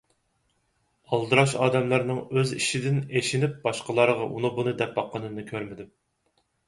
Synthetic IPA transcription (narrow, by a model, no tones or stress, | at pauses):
ɑlˠd̪ɨɾɑʃɑːd̪ɛmlˠɑɾnɨŋøziʃid̪ɪneʃinɪp̚bɑʃqəlˠɑɾəʁɑʔṵnɨbunɨd̪ɛp̚bɑqʰːənɨnɨkʲʰøɾmɪd̪ɪm